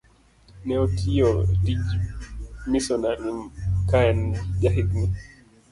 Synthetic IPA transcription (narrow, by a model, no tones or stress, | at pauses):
nɛɔtʰijɔdid͡ʒ | misɔnamikaand͡ʒaɦid̪ni